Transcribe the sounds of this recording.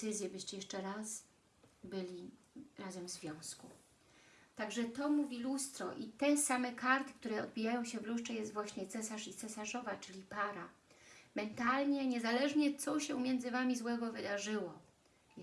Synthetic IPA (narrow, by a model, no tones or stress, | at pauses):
ɘzʲjɛbɘɕt͡ɕɛjɛʂt͡ʂɛɾas | bɘlʲi | ɾazɛmzvʲjɔ̃w̃sku | t̪aɡʐɛt̪ɔmuvʲilust̪ɾɔ̰ʔit̪ɛsamɛkaɾt̪ɘ̥k̚t̪uɾɛɔd̪̚bʲijajɔ̃w̃ɕɛvluʂt͡ʂɛjɛst̪vwaɕɲɛt̪sɛsaʂit̪sɛsaʐɔvat͡ʂɘlʲipaɾamɛnt̪alɲɛɲɛzalɛʐɲɛt̪sɔɕɛmʲjɛndzɘvamʲizwɛɡɔvɘd̪aʐɘwɔ